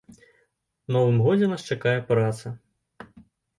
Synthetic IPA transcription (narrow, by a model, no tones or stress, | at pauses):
nɔvɨmɣɔd͡zʲɛnast͡ʂakajɛpɾat̪sɐ